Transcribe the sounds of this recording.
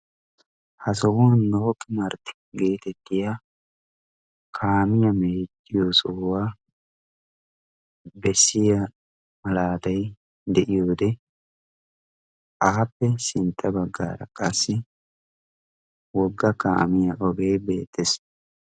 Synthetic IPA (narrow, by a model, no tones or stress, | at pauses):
hɐsɔwonːoːkʼːɪmɐɾt̪ɪ̥ | ɡe̞ːt̪ɛt̪ːɪja | kʰaːmɪjɐmeːt̪ʼːɪjosoːwaː | bɛsːɪjɐ | mɐlaːt̪ɐj | d̪ɛʔɪjoːd̪ɛ | ʔaːpːɛsɪnt̪ʼːɐbɐɡːa̰ːɾɐkʼɐsːɪ | wɔɡːɐka̰ːmɪjɐʔɔɡe̞ːbe̞ːt̪ːɛs